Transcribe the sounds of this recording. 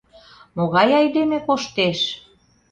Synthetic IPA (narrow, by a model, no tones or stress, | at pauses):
moɣɑjɑjd̪emĕkoʃt̪eʃ